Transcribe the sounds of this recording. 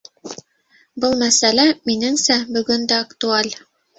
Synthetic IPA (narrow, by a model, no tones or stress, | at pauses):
bɤlˠmæsælæminɘ̆ŋsæbɵ̆ɡɵnd̪æakt̪ualʲ